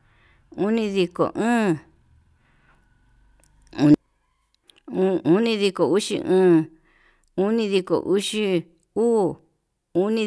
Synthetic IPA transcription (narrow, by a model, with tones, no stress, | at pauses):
u˦nĩ˧ði˧ko̰˨ʔũː˦ | u˧ | u˦nĩ˧ði˧ko˨u˦ʂḭ˧ʔũː˦ | u˦nĩ˧ði˧ko̰˨ʔu˦ʂi˦ | uː˦ | u˦nĩ˦˧